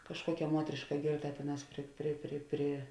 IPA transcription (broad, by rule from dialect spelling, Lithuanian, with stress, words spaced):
kɐʃˈkuɔkʲɛ ˈmuɔtʲrʲɪʃkɐ ˈɡʲeːrˌtɐ ˈtʲeːˌnɑːs ˈpʲrʲɪ pʲrʲɪ pʲrʲɪ pʲrʲɪ